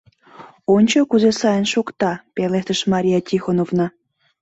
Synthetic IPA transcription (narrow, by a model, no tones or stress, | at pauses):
onʲt͡ɕokuzesɑjənʃokt̪ɑpelet̪əʃmɑɾʲijɑtʲixonovnɑ